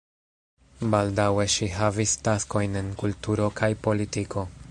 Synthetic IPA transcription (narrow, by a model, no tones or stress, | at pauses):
baldawe̞ʃiɦavistasko̞jne̞nkultuɾo̞kʰajpo̞litikʰo̞